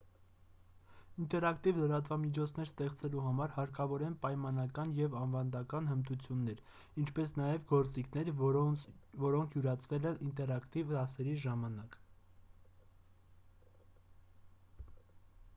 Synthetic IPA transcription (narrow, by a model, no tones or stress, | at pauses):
int̪ɛɾɑkt̪ivləɾɑt̪vɑmit͡ʃʰɔt͡sʰnɛɾst̪ɛχt͡sɛluɦɑmɑɾhɑɾkɑvɔɾɛnpɑjmɑnɑkɑnjɛvɑnvɑnd̪ɑkɑnhənt̪ut͡sʰjunːɛɾ | int͡ʃʰpɛsnɑjɛvɡɔɾt͡sikʰnɛɾ | vɔɾɔŋkʰjuɾɑt͡sʰvɛlɛnint̪ɛɾɑkt̪ivɑsɛɾiʒɑmɑnɑk